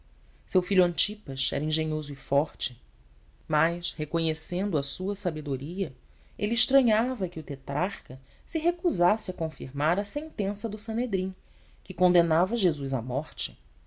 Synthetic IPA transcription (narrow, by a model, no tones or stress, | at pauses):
sewfiʎuɐ̃nt͡ʃipɐʃɛ̰ɾɐĩʒeɲozʊɪfɔɾt͡ʃɪ | majʃhekoɲesẽnd̪ʊɐsuɐsabed̪oɾiɐ | elɪɪʃt̪ɾɐ̃ɲavɐkɪʊt̪et̪ɾʔaχkɐ | sɪɦekuzasɪɐkõfiɾmaɾɐsẽnt̪ẽsɐd̪ʊsɐ̃ned̪ɾĩ | kɪkõnd̪enavɐʒezujzɐ̰mɔχt͡ʃɪ̥